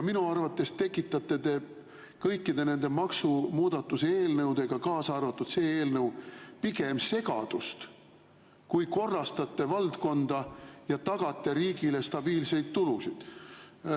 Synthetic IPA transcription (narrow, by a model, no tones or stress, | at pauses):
jɑminuɑrvɑt̪ˑːe̞st̪e̞kˑːit̪ˑːɑt̪ːˑe̞d̪e̞ | kɤjkːid̪̥e̞ne̞nd̪̥e̞mɑksumuːd̪ɑt̪ːˑuseeːlnɤwd̪̥e̞ɡ̥ɑkɑːsɑrvɑt̪ːˑud̪̥se̞ːeːlnɤwpiɡ̥e̞mse̞ɡ̥ɑ̰d̪̥ust̪ | kujko̞rːɑst̪ɑt̪ːe̞vɑld̪̥ko̞nd̪̥ɑjɑt̪ɑɡ̥ɑt̪ˑːe̞ɾiːɡ̥ile̞st̪ɑb̥iːlse̞jd̪̥̚t̪ulusid̪̥